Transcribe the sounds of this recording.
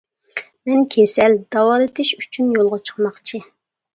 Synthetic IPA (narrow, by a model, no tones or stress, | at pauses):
mɛnkʲʰesɛld̪ɑwɑːlˠɨt̪ʰɪʃy̥t͡ʃʰynjolˠʁət͡ʃʰə̥χmɑχt͡ʃʰi